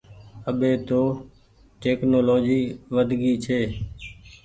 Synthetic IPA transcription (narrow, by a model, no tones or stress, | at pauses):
əɓeːt̪oː | ʈeːknoːloːd͡ʒiːʋəd̪ʱɡiːt͡ʃʰeː